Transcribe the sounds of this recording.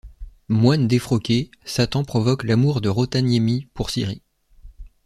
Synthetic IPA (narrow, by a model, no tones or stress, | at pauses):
mwand̪efχɔkʲesat̪ɑ̃pχɔvɔklamuʁd̪əʁot̪anjemipuʁsiʁḭ